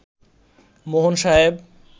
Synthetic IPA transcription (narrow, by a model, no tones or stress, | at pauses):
moɦonʃaɦeb